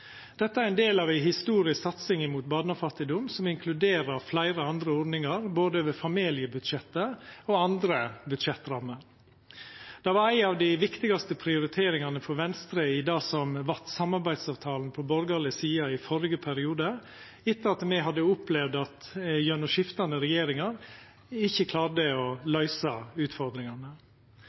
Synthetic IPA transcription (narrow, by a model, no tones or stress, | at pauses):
d̪̥ɛt̪ːəæɾæɪnd̪eːlɑːʋæɪɦɪst̪uːɾɪsksɑt̪sɪŋɪmuːt̪̚bɑːd̪nɑfɑt̪ːɪd̪ʊmsɔmɪŋkʰlʉd̪eːɾɑɾflæɪɾəɑnd̪ɾəɔɖ̪nɪŋɑɾboːd̪əøʋəfɑmeːlɪəbʉd̪ʃɛt̪ːəoɑnd̪ɾəbʉd̪ʃɛt̪ːɾɑmːəɾ | d̪̥ɑʋɑɾæɪnɑːʋd̪ɪʋɪkt̪ɪɡɑst̪əpʰɾɪʊɾɪt̪ʰeːɾɪŋɑnəfɔɾʋɛnst̪ɾəɪd̪ɑːsɔmʋɑɾt̪sɑmːɑɾbæɪd̪sɑːʋt̪ʰɑːln̩pʰɔbɔɾɡɑlɪsiːɑɪfɔɾɪɡəpʰæɾɪuːd̪ə | ɪt̪ːəɑt̪mɛɦɑd̪ːəʊplɛʋd̪ɑt̪jœnɔʂɪft̪ɑnəɾɛjeːɾɪŋɑɾ | ɪçːəkʰlɑːɖəɔlœʏsɑʉːt̪fɔɾd̪ɾɪŋɑnə